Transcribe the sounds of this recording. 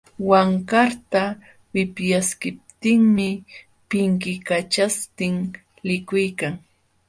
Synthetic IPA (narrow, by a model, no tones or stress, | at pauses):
waŋkaɾt̪a | wɪpjaskɪp̚t̪ɪŋmɪ | pɪŋkɪkat͡ʃast̪ɪŋ | lɪkʊjkaŋ